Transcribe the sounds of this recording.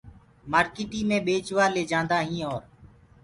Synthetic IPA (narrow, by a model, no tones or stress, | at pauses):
maːɾkɪːʈiːmẽːɓeːt͡ʃʋaːleːd͡ʒãːnd̪aːɦĩːɔːɾ